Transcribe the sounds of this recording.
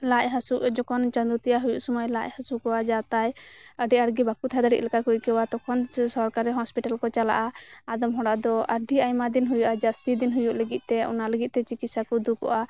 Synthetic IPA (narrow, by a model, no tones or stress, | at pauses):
laʔɦasuʔd͡ʒɔkɔnt͡ʃə̃nd̪ut̪ɛjaɦujuʔsumajlaʔhasukɔwad͡ʒat̪ajəɖiəɽɡibakut̪ʰad̪aɽiʔ̪lɛkakujkɛwat̪ɔkʰɔnsɔɾkaɾɛɦɔspiʈalkɔt͡ʃala̰ʔaad̪ɔmɦɔɽaʔd̪ɔəɖiajmad̪inɦujuʔad͡ʒast̪id̪inɦujuʔləɡit̪̚ˀt̪ɛṵnaləɡit̪̚ˀt̪ɛt͡ʃikit̪sakɔd̪ukɔ̰ʔa